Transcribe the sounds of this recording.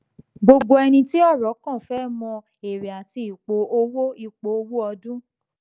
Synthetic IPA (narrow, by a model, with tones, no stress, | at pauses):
ɡ͡bo˧ɡ͡bo˧ɛ˧nĩ˧ti˦ɔ˦˨ɾɔ˨˦kã˦˨fɛ˦˨mɔ̃˧ | e˨ɾe˨a˨ti˧i˨k͡po˨˦o˧wo˦i˦˨k͡po˨o˧wo˦ɔ˧dũ˦